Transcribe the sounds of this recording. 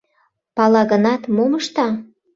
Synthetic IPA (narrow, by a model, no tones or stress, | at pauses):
pɑlɑɣənɑt̪moməʃt̪ɑ